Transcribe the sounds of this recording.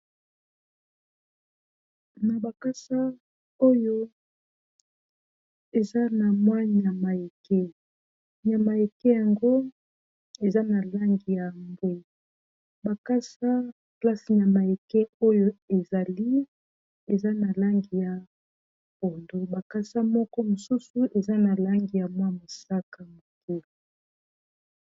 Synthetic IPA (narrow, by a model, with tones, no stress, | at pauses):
na˨ba˨ka˦sa˦ | o˦jo˦ | e˨za˦na˨mwa˦ɲ˨ja˨ma˨e˨ke˦ | ɲ˨a˨ma˨e˨ke˦ja˨ŋɡo˦ | e˨za˦na˨la˦ŋɡi˨ja˨mbwe˦˨ | ba˨ka˦sa˦ | pla˦si˨ɲa˨ma˨e˨kɛ˦o˦jo˦e˨za˨li˦ | e˨za˦na˨la˦ŋɡi˨ja˨ | po˨ndo˦ba˨ka˦sa˦mɔ˦kɔ˦mo˨su˦su˨ʔe˨za˦na˨la˦ŋɡi˨ja˨mwa˦mo˨sa˦ka˨mo˨ke˦l